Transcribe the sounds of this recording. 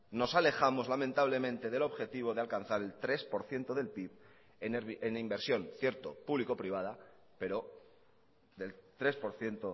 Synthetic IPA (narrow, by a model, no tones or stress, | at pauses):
no̞sale̞xamo̞zlamẽnt̪aβ̞le̞mẽ̞nt̪e̞ðe̞lo̞βxe̞t̪iβ̞o̞ðealkan̟θaɾe̞lt̪ɾe̞spo̞ɾθje̞nt̪o̞ðe̞lpip | eneenimbeɾsjo̞nθje̞ɾt̪opuβliko̞pɾiβ̞að̞a | pe̞ɾo̞ | ðe̞lt̪ɾe̞spo̞ɾθje̞nt̪o